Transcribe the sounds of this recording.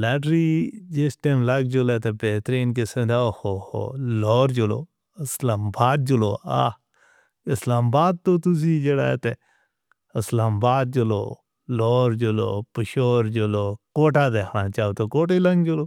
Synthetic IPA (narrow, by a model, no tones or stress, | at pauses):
laːʈɾiːd͡ʒesʈeːmlɐɡ̚d͡ʒoleːt̪epeːt̪ɾeːnk̬esẽd̪aːohoːho̰loːɾd͡ʒʊlo̰ː | əslaːmbaːd̪̚d͡ʒʊloːa̰ː | ɪslaːmbaːd̪̚t̪oːt̪ʊs̬id͡ʒeːɽa̰ːḛt̪e | ɪslaːmbaːd̪̚d͡ʒʊlo̰ː | loːɾd͡ʒʊlo̰ːpəʃoːɾd͡ʒoloːkoːʈaːd̪eːkʰnaːt͡ʃaːoːt̪okoːʈelɐŋɡd͡ʒoloː